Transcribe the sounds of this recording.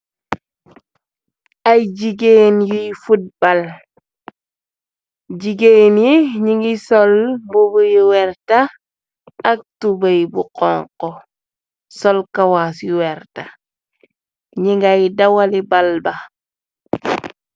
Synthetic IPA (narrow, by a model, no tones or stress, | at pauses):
ajd͡ʒiɡenjijfud̚bal | ɟiɡenjiɲiŋɡisɔlmbubujiwɛɾtaː | k̚tubajbuqɔŋkɔ | sɔlkawasjiwɛɾta | ɲiŋɡajdawalibalba